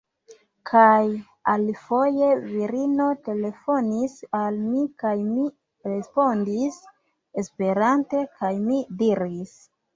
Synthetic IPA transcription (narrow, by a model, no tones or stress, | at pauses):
kʰaj | alfo̞je̞viɾino̞te̞le̞fo̞nisalmikajmi | ɾe̞spo̞ndis | espe̞ɾante̞kʰajmidiɾis